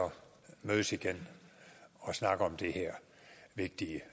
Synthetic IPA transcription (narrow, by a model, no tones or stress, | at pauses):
ɒ | møðˠsiɡ̥en | ɒ̽snɑ̈ɡ̥əɒ̽md̥e̝heɐ̰ | ʋe̝ɡ̥̚d̥iə